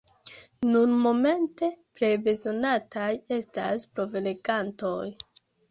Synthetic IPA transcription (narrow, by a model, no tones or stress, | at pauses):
nunmo̞me̞nte̞pɾebe̞zo̞natʰaje̞sta̰spɾo̞vileɡanto̞j